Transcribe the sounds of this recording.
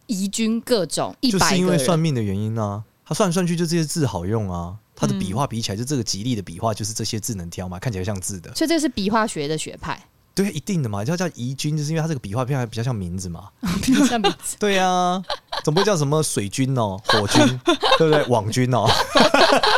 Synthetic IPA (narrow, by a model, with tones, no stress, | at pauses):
i˧˥t͡ɕy˦nkɤ˥˧ʈ͡ʂʊ̰˨˩˦ŋi˥t͡ɕo˥ʊʂ̩˨˥˧i˦nwe˥˧ɪswa˥˧nmi˥˩nd̪ə˨ɥɛ˨˦ni˦˥na˨t̪ʰa˥˦swa˥˧ns̬wnt͡ɕʰy˥˧t͡ɕjo˥˧˥ʈ͡ʂɕɛ˥t͡sɹ̩˥˩xɑ˨˩ʊjʊ˥˨˩ŋa˩t̪ʰa˥d̪ə˨pi˨˩xwa˥˩pi˨˥t͡ɕi˨a˧˦t͡ɕo˥˧˥ʈ͡ʂɤ˥˩ɡə˩t͡ɕi˧˦li˥˨˩d̪ə˩pḭ˨˩xwa˥˧t͡ɕjo˥˧ʊʂ̬ɻ̩˥˧ʈ͡ʂɤ˥˩ɕjɛ˦t͡sɹ̩˥˩nə˧˦ŋt̪ʰjɑ˥ʊma˨˩kʰa˥˩nt͡ɕʰi˨˩a˧˥˩ɕjɑ˥˧ŋt͡sɹ̩˥˨˩d̪ə˨˩˥ʈ͡ʂəʂ̬ɻ̩˥˩pi˨˩xwa˥˩ɕɥɛ˧˦d̪ə˨ɕɥɛ̰˧˥pʰa̰˥˩ɪ | t̪we˥˩ɪ˨ʔi˧˦˥t̪i˥˩ŋd̪ə˩ma˨˩˨jɑ˥˩ʔi˧˥t͡ɕy˥˦nt͡ɕjo˥˧ʂ̩˥˦we˥˧a˥t͡sɤ˥˩ɡə˨pi˨xwa˥˩pʰpi˨˩t͡ɕɑ˥˧jɑ˥˩ŋmi˨˥nd͡z̩˨ma̰˨˩˥ | mi˧˦t̪we˥˩ɪa˨˩t͡ɕə˨˩mpu˧we˥˧˩t͡ɕʂə˧˦mə˨swe˨˩ɪt͡ɕy˦˥nɔ˨xwɔ˨˥t͡ɕy˦nt̪e˥˧bt̪e˥˩wɑ˨˩ŋt͡ɕy˦nɔ˨